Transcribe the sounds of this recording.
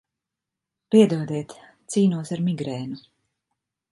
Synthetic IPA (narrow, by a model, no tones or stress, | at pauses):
piɛd̪uɔd̪ɛːt̪ | t̪siːnuɔsaɾmiɡɾɛːnu